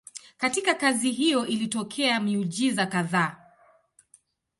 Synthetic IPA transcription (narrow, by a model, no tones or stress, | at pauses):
katikakaziɦijɔʔilitɔkʰɛamiud͡ʒizakaðaː